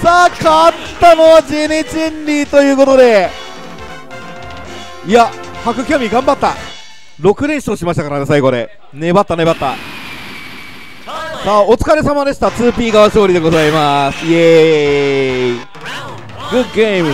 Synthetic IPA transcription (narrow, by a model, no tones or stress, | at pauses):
saːkat̪ː | ano̞βad͡ʑeːnet͡ɕiẽ̞nɾʲiːt̪o̞jɯ̟ːko̞t̪o̞d̪e̞ | iahakɯ̟kʲomʲiɡãmbat̪ːa | ɾo̞kɯ̟ɾeɰ̃ɕi̥t̪oɕimaɕit̪akaɾad̪esaiɡo̞ɾe̞̰ | ne̞bat̪ːane̞bat̪ːa̰ | saːo̞t͡sɨ̥kaɾe̞samad̪e̞ɕi̥t̪at͡sɨːpʲiːɡaβaɕo̞ːɾʲid̪e̞ɡo̞zaimasɨje | ɡɯ̟ɡemɯ̟